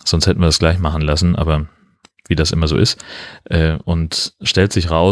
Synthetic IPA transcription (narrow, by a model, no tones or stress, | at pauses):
z̥ɔnstʰhɛtn̩viːɐdasɡ̥laɪçmaχn̩lasn̩ʔa̰ːbɐ | viːdasʔɪ̰mɐzo̰ːʔɪstʔɛːʔʊntʃtɛltz̥ɪçʁaʊ